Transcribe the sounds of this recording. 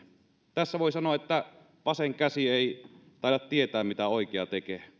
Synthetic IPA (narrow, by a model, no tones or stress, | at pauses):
t̪æsːæʋoˑisɑnoɑʔʔet̪ːæ | ʋɑseŋkæsieˑit̪ɑˑiɾɑt̪tiet̪æːmmit̪æoˑikeɑt̪eke